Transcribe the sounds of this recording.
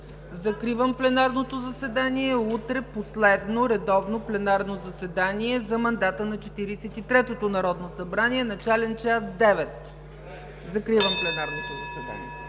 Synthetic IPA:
zɐkɾivəmplɛnaɾnot̪ozɐsɛd̪aniɛut̪ɾɛposlɛd̪noɾɛd̪ɔvnoplɛnaɾnozɐsɛd̪aniɛzɐmɐnd̪at̪ənɐt͡ʃɛt̪iɾisɛt̪it̪ɾɛt̪ot̪onɐɾɔd̪nosɐbɾaniɛnɐt͡ʃalɛnt͡ʃasd̪ɛvɛt̪ | zɐkɾivəmplɛnaɾnot̪ozɐsɛd̪a̰nḭɛ

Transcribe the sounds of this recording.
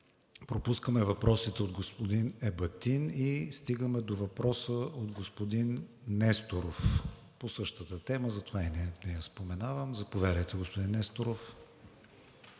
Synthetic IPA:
pɾopuskəmɛvɐpɾɔsit̪ɛod̪ɡospod̪inɛbɐt̪inist̪iɡəmɛd̪ovɐpɾɔsəʔod̪ɡospod̪inː | ɛst̪oɾof | posɤʃt̪ət̪ət̪ɛməzɐt̪ovainɛnɛjaspomɛnavəmzɐpovʲjad̪əjt̪ɛɡospod̪inːɛst̪oɾof

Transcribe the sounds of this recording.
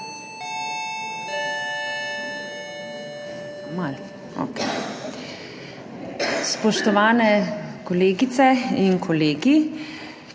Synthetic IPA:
mal | o̰kɛ | spɔʃt̪ɔʋaːnɛkɔleːɡit̪sɛinkʰɔleːɡi

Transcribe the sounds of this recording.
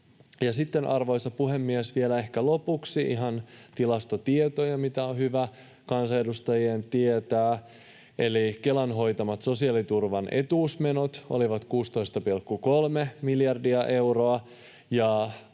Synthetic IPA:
jɑsit̪ːenʔɑrʋo̞jsɑpuɦemːiesʋielæe̞hkælo̞puksiʔḭɦɑnt̪ilɑst̪ot̪iet̪ojɑmit̪æohyʋæ | kɑnsɑedust̪ɑjient̪iet̪æː | e̞likelɑnɦo̞jt̪ɑmɑt̪so̞siɑlit̪urʋɑnʔe̞̰t̪uːsmenot̪o̞̰liʋɑt̪kuːst̪o̞ist̪ɑpilkːuko̞lmemiljɑrdiɑʔe̞uroɑ | jɑ

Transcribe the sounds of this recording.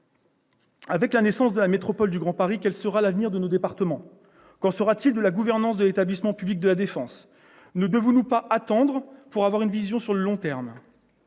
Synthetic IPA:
avɛklanesɑ̃sd̪əlamet̪χɔpɔld̪yɡʁɑ̃paʁikʲɛlsəʁalavniʁd̪ənod̪epaʁt̪əmɑ̃ | kɑ̃səʁat̪ild̪əlaɡuvɛʁnɑ̃sd̪əlet̪ablismɑ̃pyblik̚d̪əlad̪efɑ̃s | nəd̪əvɔ̃nupaʔat̪ɑ̃d̪ʁpuʁavwaʁynvizjɔ̃syʁləlɔ̃t̪ɛʁm

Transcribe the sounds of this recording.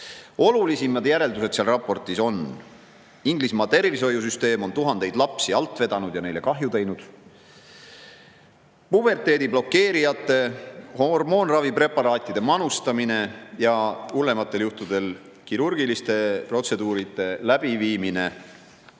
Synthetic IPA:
o̞lulisimɑd̪̥jæɾe̞ld̪us̬e̞t̪siɑlrɑpːˑo̞rt̪ːˑiso̞n | iŋɡlismɑːt̪e̞rviso̞jːus̬yst̪e̞ːmo̞nt̪uɦɑnd̪e̞jd̪̥lɑpsiɑlt̪ːˑve̞d̪ɑnud̪jɑne̞jle̞kɑɦjut̪e̞jnud̪̥ | pub̥e̞rt̪ˑe̞ːd̪iblo̞kːe̞ːɾijɑt̪ːˑe̞hormo̞ːnrɑvipɾe̞pːˑɑɾɑːt̪ʲːˑid̪̥e̞mɑnust̪ɑmine̞jɑule̞mɑt̪ːe̞ljuht̪ud̪̥e̞l | kiɾurɡ̥ilist̪e̞pro̞t̪se̞d̪uːɾit̪ːˑe̞læb̥iviːmine̞

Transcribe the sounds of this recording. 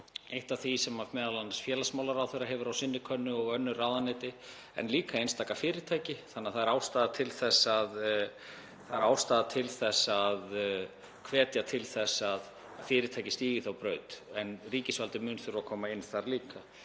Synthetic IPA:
ejht̪aθisɛmavmɛːðalanːasfjɛːlasmaːwlaɾawθœɥɾaɦɛvʏɾawsɪnːɪkʰœnːʏɔɣœnːʏraːwðanɛt̪ɪ | ɛ̰nliːkaejnst̪aːkafɪːɾɪɾt̪ʰaːjcɪθanːaθaðɛɾaːwst̪aːðat̪ʰɪlθɛsːað | θaðɛɾaːwst̪aːðat̪ʰɪlθɛsːað | kʰvɛːt̪jat̪ʰɪlθɛsað | fɪːɾɪt̪ʰaːjcɪ̥st̪iːɣɪθawpɾœːɥt̪ɛnriːcɪsvalt̪ɪmʏnθʏɾakʰɔːmaɪnθaɾliːka

